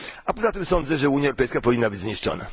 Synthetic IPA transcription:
apɔzat̪ɘmsɔnd̪zɛʐɛuɲjaɛwɾɔpɛjskapɔvʲinːabɘd͡ʑzɲiʂt͡ʂɔ̰na̰

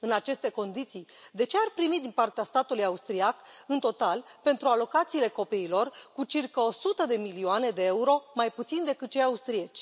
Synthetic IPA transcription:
ɨnat͡ʃe̞st̪e̞ko̞nd̪it̪sijd̪e̞t͡ʃe̞arpɾimit̪d̪inpart̪east̪at̪ulujaust̪ɾiakɨnt̪o̞t̪alpe̞nt̪ɾualo̞kat̪siːle̞ko̞piːlo̞rkut͡ʃirkəo̞sut̪əd̪e̞milioane̞d̪e̞euɾo̞majput̪sind̪e̞kɨt̪̚t͡ʃejaust̪ɾiet͡ʃʲ

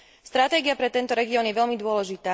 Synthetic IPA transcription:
st̪ɾat̪ɛːɡiapɾɛt̪ɛnt̪ɔɾɛɡiɔːnjɛʋɛʎmid̪ʊɔlɛʒit̪aː

